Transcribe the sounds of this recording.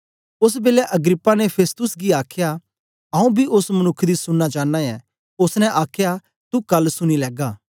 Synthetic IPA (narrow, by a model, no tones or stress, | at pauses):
ʊs̬beːlɛʔɐɡɾɪpːanɛpʰeːst̪ʊsɡiaːkʰja | ɐũbʱiʔʊsmɐnʊkʰːd̪isʊnːat͡ʃãːnːajɛ | ʊsnɛ̃ʔaːkʰja | t̪ukɐlːsʊñilɛːɡaː